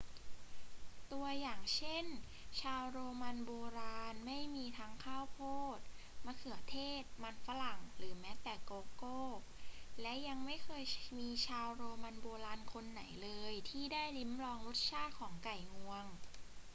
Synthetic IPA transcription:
t̪u˧ɐjaː˨˩ŋt͡ɕʰe˥˩n | t͡ɕʰaː˧wɾoː˧ma˧nboː˧ɾaː˧nma˥˩jmiː˧t̪ʰa˦˥ŋkʰaː˥˩wpʰoː˥˩t̪̚ | ma˧˩kʰɯ˨˩˦ɐt̪ʰeː˥˩t̪̚ma˧nfa˧˥la˨˩ŋɾɯː˩˦mɛː˦˥t̪ɛː˨˩koː˧koː˥˩ | lɛ˦˥ja˧ŋma˥˩jkʰɤː˧jmiː˧t͡ɕʰaː˧wɾoː˧ma˧nboː˧ɾaː˧nkʰo˧nːa˩˦jlɤː˧jt̪ʰiː˥˩daː˥˩jli˦˥mɾɔː˧ŋlu˦˥t̪̚t͡ɕʰaː˥˩t̪̚kʰɔː˩˦ŋka˨˩jŋu˧əŋ

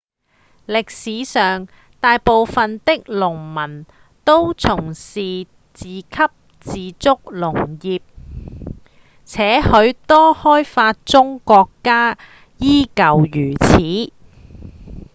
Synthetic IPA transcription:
lɪ˨k̚siː˨˧˥sœː˨ŋ | t̪aː˨jpo˨wfɐ˨nt̪ɪ˥k̚lʊ˨˩ŋmɐ˨˩n | t̪o˥wt͡sʰʊ˨˩ŋsiː˨ | t͡siː˨kʰɐ˥p̚ | t͡siː˨˧t͡sʊ˥k̚lʊ˨˩ŋjiː˨p̚ | t͡sʰɛː˨˥hɵ˨˧ɥt̪ɔː˥hɔː˥jfaː˧t̚t͡sʊ˥ŋkɔː˧kːaː˥ | jiː˥kɐ˨wjyː˨˩t͡sʰiː˨˥

